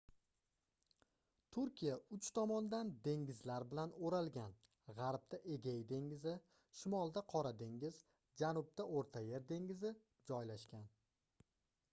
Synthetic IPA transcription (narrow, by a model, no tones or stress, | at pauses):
t̪ʰʊɾkʲijaʊt͡ʃt̪ʰɒmɒnd̪and̪e̞ŋɪzlaɾbɪlanoɾalˠɡʲan | ʁɑɾb̚t̪aʔe̞ɡʲajd̪e̞ŋɪzɪ | ʃɪmɒlˠd̪aqʰɒɾad̪e̞ŋɪz | d͡ʒanʊb̚d̪aʔoɾt̪ʰaje̞ɾd̪e̞ŋɪzɪ | d͡ʒɒjlaʃkʲan